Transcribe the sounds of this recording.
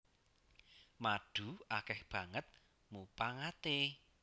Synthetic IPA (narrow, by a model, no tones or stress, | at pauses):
maɖ̥ṳakɛhb̥ä̤ŋət̪̚ | mupaŋat̪e